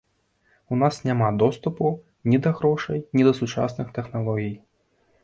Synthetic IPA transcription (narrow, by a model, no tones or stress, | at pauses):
unasnʲamad̪ɔst̪upu | nʲid̪ɐɣɾɔʂɐjnʲid̪ɐsut͡ʂa̰snɨxt̪ɛxnalˠɔɣʲij